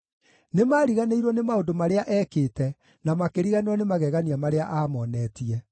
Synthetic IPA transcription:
nemaɾiɣaneiɾɔnemaodomaɾeaʔɛːkeːtɛ | namakeɾiɣaneɔnemaɣɛɣaniamaɾeaʔaːmɔnɛːtiɛ

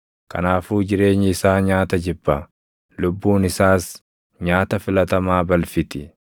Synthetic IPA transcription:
kɐ̰naːfuːd͡ʒɪɾe̞ːɲːɪɪsaːɲaːt̪ɐd͡ʒɪbːɐ | lʊbːuːnɪsaːs | ɲaːt̪ɐfɪlɐt̪ɐmaːbɐlfɪt̪ɪ

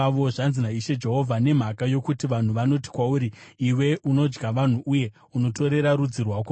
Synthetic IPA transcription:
o̞ʐanzinaiʃe̞d͡ʒe̞ɦo̞vʱane̞m̤akajo̞kutiʋan̤uʋano̞ti̥kwauɾiiwe̞ʔuno̞d͡ʒɡaʋan̤uʔuje̞ | uno̞to̞ɾe̞ɾaɾud͡zirwako

